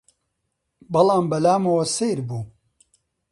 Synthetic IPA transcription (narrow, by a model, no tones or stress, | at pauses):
bɐlˠɑːmbɐlaːmɐwɐsejɾbuː